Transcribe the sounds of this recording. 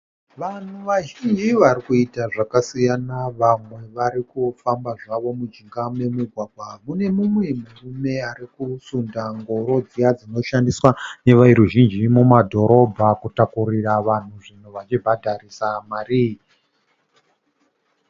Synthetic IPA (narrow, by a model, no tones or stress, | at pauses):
ʋan̤uʋaʒind͡ʒiʋaɾikuitaʐakasijanaʋamwe̞ʋaɾikufambaʐaʋo̞mud͡ʒiŋɡame̞muɡʱwaɡʱwamune̞mumwe̞murume̞aɾikusundaŋɡo̞ɾo̞d͡zijad͡zino̞ʃandiswane̞ʋaiɾuʒind͡ʒimumadʱo̞ɾʔo̞bʱakutakuriraʋan̤uʐin̤oʋat͡ʃibʱadʱaɾisamaːɾi